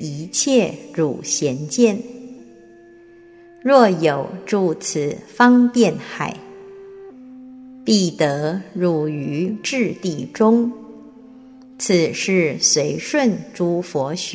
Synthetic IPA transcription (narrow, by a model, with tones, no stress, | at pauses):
i˧˥t͡ɕʰjɛ˥˩ɻu˨˩ɕjɛ˧˥nt͡ɕjɛ˥˩n | ɻwɔ˥˩jo˨˩ʊʈ͡ʂu˥˩t͡s̩ʰ˨˩fɑ˥ŋt̪jɛ˥˩nxa̰˨˩˦ɪ | pi˥˩t̪ɤ˧˥ɻu˨˩y˧˥ʈ͡ʂɻ̩˥˧t̪i˥˩ʈ͡ʂʊ˥ŋ | t͡s̩ʰ˨˩ʂɻ̩˥˩swe˧˥ɪʂwə˥˩nʈ͡ʂu˧˥fwɔ˧˥ɕ